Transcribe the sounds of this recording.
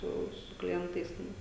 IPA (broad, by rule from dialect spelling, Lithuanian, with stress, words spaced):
ˈsʊ sʊ klʲɪˈɛntɐɪs ˈtʲɛn